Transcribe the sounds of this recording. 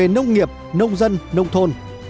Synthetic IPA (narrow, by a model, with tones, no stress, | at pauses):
e˨˩nə˧wŋ͡mŋi˨˩əp̚nə˧wŋ͡mzə˧nnə˧wŋ͡mt̪ʰo˧n